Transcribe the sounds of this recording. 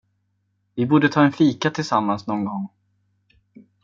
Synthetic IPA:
vɪbuːɖət̪ʰɑːɛnfiːkat̪ʰɪlsamːansnɔːnɡɔŋː

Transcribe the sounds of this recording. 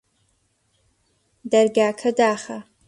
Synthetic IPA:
dɐrɡaːkʰɐdaːχɐ

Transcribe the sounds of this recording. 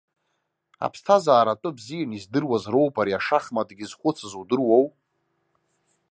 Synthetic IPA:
a̰pʰstʰazaːɾatʼɨbzijanizdɨrwazro̞wpʰʼaɾiaʂaχmadɡʲɪzχʷʊt͡sʰazudɨrwow

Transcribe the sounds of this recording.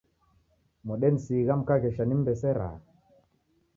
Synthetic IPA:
mɔɗɛnsiɣam̩kaɣɛʃanim̩bɛsɛɾa̰

